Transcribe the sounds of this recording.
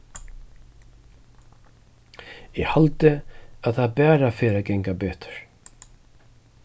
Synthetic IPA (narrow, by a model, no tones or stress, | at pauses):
ɛɣhalt̪ɪaðθaðbɛːɾafeːɾakɛŋkapɛːt̪ʏ̥ɾ̥